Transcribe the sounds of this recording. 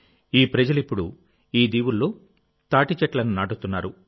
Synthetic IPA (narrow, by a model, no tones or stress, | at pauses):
iːpɾɐd͡ʒɐlipːuɽṵ | iːd̪iːwulːoː | t̪aːʈit͡ʃɐʈlɐninaːʈut̪unːaːɾu